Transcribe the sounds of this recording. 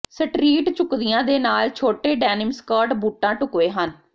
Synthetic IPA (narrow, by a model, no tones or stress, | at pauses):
səʈɾiːʈt͡ʃʊkd̪ɪjãːd̪eːnaːlt͡ʃʰoːʈeːɖɛːnɪmskaːʈbuːʈːãːʈʊkʋeːɦən